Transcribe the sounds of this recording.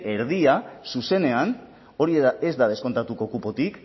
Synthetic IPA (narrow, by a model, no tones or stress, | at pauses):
e̞ɾð̞iasuse̞ne̞an | o̞ɾiezd̪aðe̞sko̞nt̪at̪uko̞kupot̪ik